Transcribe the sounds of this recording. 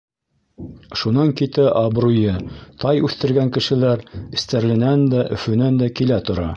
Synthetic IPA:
ʃunɑŋkit̪æʔɑbɾujɤt̪ɑjʉθt̪ɘ̆ɾɡæŋkɘ̆ʃɘ̆læɾɘ̆st̪æɾlɘ̆nænd̪æʔɵ̆fɵ̆nænd̪ækilæt̪ŏɾɑ

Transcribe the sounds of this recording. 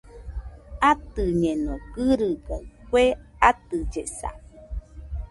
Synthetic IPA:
at̪ɨɲẽnõkɨɾɨbõkweat̪ɨd͡ʒesa̰

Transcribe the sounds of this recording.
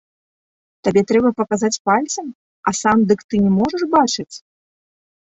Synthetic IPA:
t̪abʲɛt̪ɾɛbɐpɐkazat͡sʲpalʲt̪sɐm | ɐsamd̪ɨkt̪ɨnʲɛmɔʐɐʂbat͡ʂɨt͡sʲ

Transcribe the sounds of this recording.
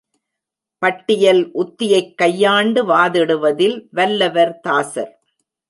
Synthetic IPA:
pɐʈːɪjɐlʔʊt̪ːɪjɐɪkːɐjːaːɳɖɯʋaːðɪɽɯʋɐðɪlʋɐlːɐʋɐɾt̪aːsɐ̰ɾ

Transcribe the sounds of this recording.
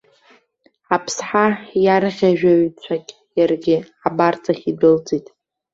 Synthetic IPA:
apʰsħajaɾɨχʲaʒᶣaɥit͡ɕʷʰakʲʼ | jarɡʲɪ | abart͡sʼaχʲidɨld͡zitʼ

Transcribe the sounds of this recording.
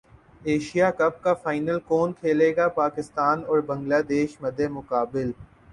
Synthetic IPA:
eːʃijakɐp̚kafaːɪnəlkɔːnkʰeːleːɡapaːkɪst̪aːnɔːɾbɐ̃ŋɡlaːd̪eːʃmɐd̪ʱːemʊkaːbɪl

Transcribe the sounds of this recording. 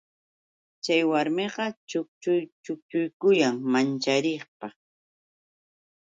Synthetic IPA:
t͡ʃajwaɾmeɢɑt͡ʃʊk̚t͡ʃʊjt͡ʃʊk̚t͡ʃʊjkʊjaŋmant͡ʃaɾeχpa

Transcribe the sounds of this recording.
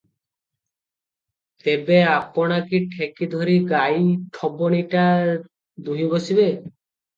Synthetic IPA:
t̪ebeapɔɽ̃akiʈʰekid̪ʱɔɾiɡajʈʰɔbɔniʈa | d̪uɦibosibe

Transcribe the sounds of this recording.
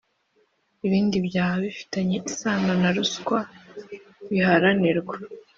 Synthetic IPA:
iβiːndibɟaːhaβifi̥taɲeʔisaːŋanaɾuskwa | βihaɾaniɾɡwe

